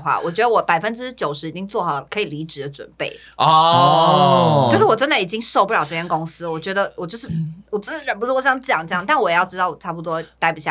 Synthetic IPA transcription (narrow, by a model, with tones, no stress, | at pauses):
xwa̰˥˩wʔɔ˨˩t͡ɕɥɛ˧˥d̪ə˧wɔ˧˩˦pa˨˩ɪfə˦˥nʈ͡ʂɻ̩˥t͡ɕjo˨˩ʊʂɻ̩˧˥i˨˩t͡ɕi˥ŋt͡swɔ˥˩xɑ˨˩˦ʊkʰɤ˧˥i˨˩li˧˥ʈ͡ʂɻ̩˨˩d̪ə˦ʈ͡ʂwə̰˨˩npe˥˩ɪ | ɔ˥˧ | o˥˧ʊʂ̬ɻ̩˥˩wɔ˨˩ʈ͡ʂə˥nd̪ə˨i˨˩t͡ɕi˥ŋʂʊpu˥˩jɑ˨˩ʊʈ͡ʂɤ˥˧t͡ɕʰjɛ˥nkʊ˥ŋsɹ̩˥wɔ˨˩t͡ɕɥɛ˧˥d̪ə˧wɔ˨˩t͡ɕjo˥˧ʊʂɻ̩˥˩wɔ˨˩t͡sɹ̩˥˩t͡ɕ̩˨˥ɻə˥np̬̩˧˥wɔ˥˩ɕjɑ˥ŋ˥jɑ˨˩ŋʈ͡ʂɤ˥˧jɑ˥˨ŋt̪a˥˩nwɔ˨˩jɛ˨˩jɑ˥˧ʊʈ͡ʂɻ̩˥t̪ɑ˥˩ʊɔ˨˩ʈ͡ʂʰa˥˩pu˧t̪wɔ˥t̪a˥ɪpu˨˩ɕja̰˥˩